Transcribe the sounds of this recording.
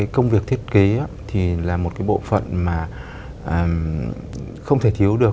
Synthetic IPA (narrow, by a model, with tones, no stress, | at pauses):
aː˨˦jkə˧wŋ͡mvi˨˩ək̚t̪ʰi˦˥t̚ke˨˦ʔaː˨˦t̪ʰi˨˩laː˨˩mo˨˩t̚kaː˨˦jɓo̰˧˨fə̰˧˨nmaː˨˩ | ʔəː˨˩ | xə˧wŋ͡mt̪ʰe˧˩t̪ʰi˨˦əwɗɨ˨˩ək